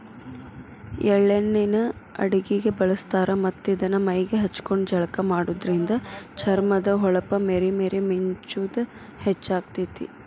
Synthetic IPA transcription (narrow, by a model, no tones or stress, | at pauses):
ɛɭːenːinɐɐ̰ɽiɡiɡe̞bɐɭɐst̪aːɾɐmɐt̪ːid̪ɐnɐmɐjɡeɦɐt͡ʃːkoɳɖd͡ʒɐɭɐkɐmaːɽuːd̪ɐɾind̪ɐt͡ʃʰɐɾmɐd̪ɐɦɔɭɐpɐmeːɾimeːɾemiɲt͡ʃud̪u | het͡ʃːaːɡ̚t̪it̪ḭ